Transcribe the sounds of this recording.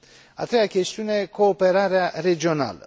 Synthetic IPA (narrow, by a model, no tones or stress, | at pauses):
a̰t̪ɾejakʲe̞st̪iuneeko̞ːpeɾaɾeare̞d͡ʒio̞na̰lə̰